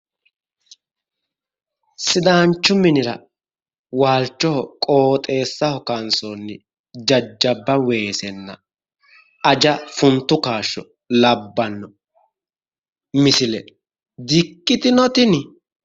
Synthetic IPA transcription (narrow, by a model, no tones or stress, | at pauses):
sɪd̪aːnt͡ʃːʊmɪnɪɾɐ̰ | waːlt͡ʃːɔhɔkʼoːt̪ʼe̞ːsːɐhɔkansonːɪ | d͡ʒɐd͡ʒːɐbːɐwe̞ːsɛnːɐ̰ | ɐd͡ʒɐfʊnt̪ːʊkaːʃːɔ | lɐbːɐnːɔ | mɪsɪlɛ | d̪ɪkːɪt̪ɪnɔt̪ɪn